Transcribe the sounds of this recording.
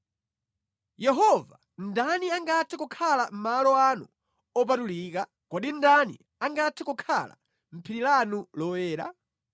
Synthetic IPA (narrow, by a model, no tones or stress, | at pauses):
jɛɦɔva | ndaniaŋɡatʰɛkukʰalam̩malɔanu | ɔp̬atuliːk̬a | kɔɗindanḭ | aŋɡatʰɛkukʰa̰la̰ | m̩pʰiɾilanulɔwɛːɾa̰